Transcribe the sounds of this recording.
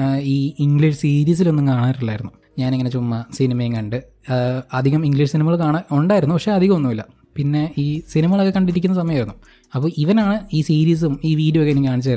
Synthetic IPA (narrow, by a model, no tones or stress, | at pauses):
iːiŋɡɭiʂsiːɾiːs̬ilo̞nːumkaːɳaːɾilːaːjiɾunːu | ɲaːneŋːɐnet͡ɕumːɐsinimɐjiŋkɐɳɖɨ | ɐd̪ʱiɣɐmiŋɡliʂsinimɐɣɐɭkaːɳɐoɳɖaːjɾunːupɐkʂe̞ɐd̪ʱiɣɐmonːumilːɐ̰ | pinːe̞iːsinimɐɣɐɭɐkːekɐɳɖiɾik̬ʲːunːɐs̬ɐmɐjɐajiɾunːu | ɐpːoːiʋɐnaːɳɨiːsiːɾiːs̬ɨmiːʋiːɖijokenːikːkaːɳit͡ɕːaːjɾ